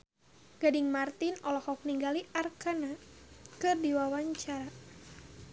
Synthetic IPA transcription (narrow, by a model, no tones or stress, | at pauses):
ɡ̥adiŋmart̪inɔlɔhɔk̚niŋɡaliʔarkanakɨrdiwawaɲt͡ʃaɾa